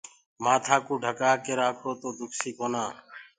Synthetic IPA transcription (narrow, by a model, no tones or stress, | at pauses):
maːt̪ʰaːkũːɖʱəkaːkeːɾaːkʰoːt̪oːd̪ʱʊkʰsiːkoːnaː